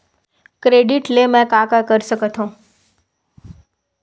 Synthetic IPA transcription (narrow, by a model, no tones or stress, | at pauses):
kɾeːɖɪʈlemɛ̃kaːkakəɾsəkət̪ʰõː